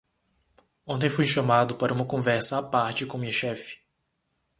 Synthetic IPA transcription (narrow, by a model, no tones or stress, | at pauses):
õnt̪̬ẽj̃fujʃɐmad̪ʊpaɾɐũmɐkõvɛɾsɐːpaɾt͡ʃɪkõmĩɐʃɛfɪ̥